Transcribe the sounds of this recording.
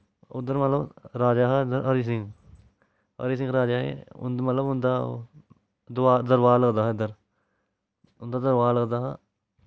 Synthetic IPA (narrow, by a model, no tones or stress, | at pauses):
ʊd̪əɾmət̪ləbɾaːd͡ʒaːɦaɪd̪əɾəɾiːs̬ɪ̃ŋɡ | ə̰ɾiːs̬ɪ̃ŋɡɾaːd͡ʒaːɦḛːʊ̰nd̪mət̪ləbʊnd̪aː | d̪ʊaːd̪əɾʋaːləɡd̪aːɦɪd̪əɾ | ʊnd̪aːd̪əɾʋaːləɡd̪aːɦaː